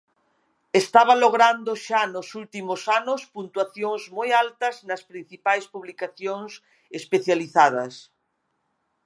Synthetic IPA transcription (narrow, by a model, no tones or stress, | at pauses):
est̪aβ̞aloɣɾand̪oʃanosult̪imosanospunt̪waθjoŋzmojalt̪ɐznɐspɾĩn̟θipajspuβlikaθjoŋs | espeθjaliθað̞ɐs